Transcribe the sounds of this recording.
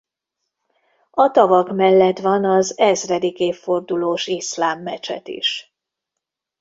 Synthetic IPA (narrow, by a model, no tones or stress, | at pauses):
ɒt̪ɒvɒkmɛlːɛt̪ʋɒnɒzɛzrɛd̪ikeːfːo̞rd̪uloːʃislaːmːɛt͡ʃɛ̰t̪ḭʃ